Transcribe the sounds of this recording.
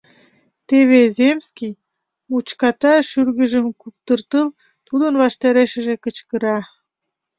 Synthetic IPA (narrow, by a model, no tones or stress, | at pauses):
t̪eβezemskij | mut͡ɕkɑt̪ɑʃyrɣə̆ʒəmkup̚t̪ərt̪əl | t̪ud̪ənβɑʃt̪ɑɾeʃə̆ʒekət͡ɕkəɾɑ